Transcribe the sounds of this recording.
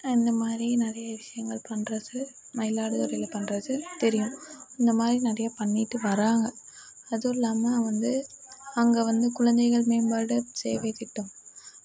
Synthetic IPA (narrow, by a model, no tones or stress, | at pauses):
ɪnd̪ɐmaːd̪ɾinɪɾɐjɐʋɪʂɐjɐŋɡɐɭpɐnrɐsɐɾ | mɐɪlaːɽɯt̪ɔɾɐjɪlɐpɐnrɐðɯt̪ɛɾɪjɯ̃mɪnd̪ɐmaːd̪ɾinɐɾɐjɐpɐnːɪʈːɯʋɐɾaːŋɡɐ | ɐðɯɪlːaːmɐʋɐnd̪ɯɐŋɡeʋɐnd̪ɯkʊɻɐnd̪ɐɪɣɐɭmeːnbaːɽɯsḛːʋɐɪt̪ːɪʈːɯm